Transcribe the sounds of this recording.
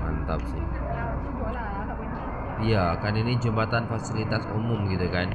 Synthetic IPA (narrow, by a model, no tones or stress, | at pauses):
ŋant̪ap̚sɪh | jakaninid͡ʒumbat̪anfasilit̪asṵmʊmɡit̪ukan